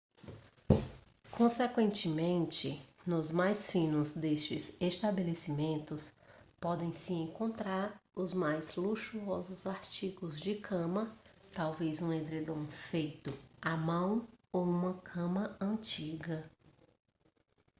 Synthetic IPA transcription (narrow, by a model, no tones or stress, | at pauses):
kʰõsekwẽnt͡ʃɪmẽnt͡ʃɪnʊzmajsfĩnʊzd̪est͡ʃɪzest̪abelesimẽnt̪ʊspɔd̪ẽj̃sɪẽŋkõnt̪ɾaɾʊzmajzluʃuɔzʊzaɾt͡ʃiɡʊzd͡ʒɪkʰɐ̃mɐt̪awvezũẽd̪ɾed̪õw̃fejt̪ʊamɐ̃w̃owũmɐkʰɐ̃mɐɐ̃nt͡ʃiɡɐ